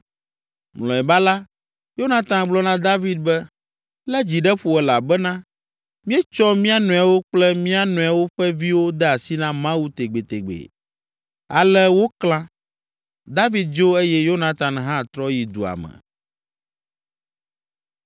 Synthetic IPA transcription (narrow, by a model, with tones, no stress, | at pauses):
mlɔ̃˨ɛ˨ba˦la˦ | jo˦nã˦t̪ã˨nɡ͡blɔ˦nã˦d̪a˦vi˦d̪̚bɛ˦ | lɛ˦d͡ʑi˨ɖɛ˦ɸu˨ɛ˨la˨bɛ˦nã˦ | mĩ˦ɛ˦t͡ʃɔ˦mĩ˦a˦nɔ̃˨a˨wo˦k͡plɛ˦mĩ˦a˦nũ˨a˨wo˦ɸɛ˦vi˦wo˦d̪ɛ˦a˨si˦nã˦mã˦wu˦t̪e˨ɡ͡be˨t̪e˨ɡ͡bḛ˨ | a̰˨lɛ˦wo˦klã˦ | d̪a˦vi˦d̪̚d͡ʒo˦e˦jɛ˦jo˦nã˦t̪ã˨nɦã˦˨t̪ɾɔ˦ji˨d̪ṵ˨a̰˨mɛ̰̃˨